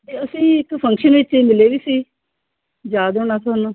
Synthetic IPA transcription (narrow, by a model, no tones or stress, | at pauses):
t̪eːəsĩːɪkpʰə̃ŋkʃənʋɪt͡ʃmɪleːʋiːsiː | d͡ʒaːd̪õːnaːsʰanõ